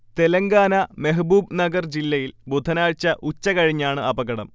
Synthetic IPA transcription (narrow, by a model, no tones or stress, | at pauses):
t̪e̞lɐŋɡaːnɐmeɦbuːbnɐɡɐrd͡ʑilːɐjilbod̪ʱɐnaːɻt͡ɕːɐʔut͡ɕːɐkɐɻiɲːaːɳɨʔɐbɐɡɐɽɐm